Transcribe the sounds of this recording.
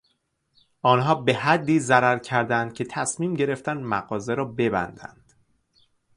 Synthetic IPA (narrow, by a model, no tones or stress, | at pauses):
ʔɒːnɦɒːbe̞hæd̪ːiːzæɾæɾcʰæɾd̪ænd̪̥̚cʰe̞t̪ʰæsmiːmɟe̞ɾe̞ft̪ænd̪mæ̰ɣɒːzeɾɒːbe̞bæ̰nd̪æ̰nd̪̥